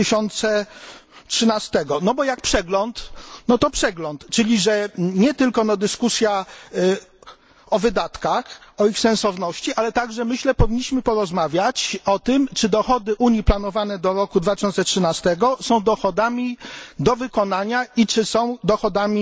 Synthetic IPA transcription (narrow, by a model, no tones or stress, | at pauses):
ɕɔnt̪sɛ | tʂɘnast̪ɛɡɔnɔbɔjak̚pʂɛɡlɔnt̪nɔt̪ɔpʂɛɡlɔnt̪t͡ʂɘlʲiʐɛɲɛt̪ɘlkɔnɔd̪ɘskusʲja | ɔvɘd̪at̪kaxɔixsɛñsɔvnɔɕt͡ɕiʔalɛt̪aɡʐɛmɘɕlɛpɔvʲiɲːiɕmɘpɔɾɔzmavʲjat͡ɕɔt̪ɘmt͡ʂɘd̪ɔxɔd̪ɘʔuɲjiplanɔvanɛd̪ɔɾɔkud̪vat̪ɪ̥ɕɔnt̪sɛtʂɘnast̪ɛɡɔsɔ̃w̃d̪ɔxɔd̪amʲid̪ɔvɘkɔn̪aɲait͡ʂɘsɔ̃w̃d̪ɔxɔd̪amʲi